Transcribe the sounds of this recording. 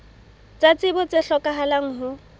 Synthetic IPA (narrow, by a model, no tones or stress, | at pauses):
t͡sʼat͡sʼɪbɔt͡sʼɪɬɔkʼaɦalaŋ̩ɦʊ